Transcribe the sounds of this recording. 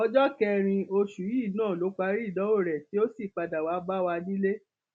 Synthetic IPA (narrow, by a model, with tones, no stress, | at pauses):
ɔ˦d͡ʒɔ˦kɛ˧ɾ̃ĩ˧o˧ʃu˨ji˦˨nãː˦˨lo˨˦k͡pa˧ɾi˦˨dɔ̃˨˦o˦˨ɾɛ˨ti˦o˦si˦˨k͡pa˧da˨wa˨˦ba˦wa˧nĩ˦le˦